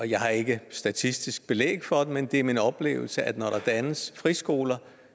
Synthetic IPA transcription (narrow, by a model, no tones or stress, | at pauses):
ɒ̽jɑ̈ɪhɑ̈e̝ɡ̥əsd̥æt͡sʰisd̥isɡ̥̚b̥e̝lḛːɡ̥fɒ̽d̥emend̥e̝æɐminɒ̽b̥le̝̰ːʊl̩səʔæd̥nɒɾ̥ɑ̈d̥ænəsfʁisɡ̥o̝ːlɐ